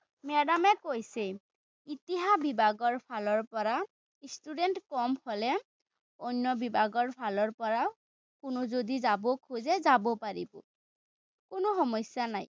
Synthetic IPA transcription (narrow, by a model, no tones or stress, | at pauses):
mɛdamɛkojse | it̪iɦabibaɡɔɹpʰalɔɹpɔɹa | istudentkɔmhɔlɛ | onːɔbibaɡɔɹpʰalɔɹpɔɹa | kʊnʊzodizabokʰuzɛzabɔpaɹḭbʊ̰ | kʊnʊxɔmɔsjanaj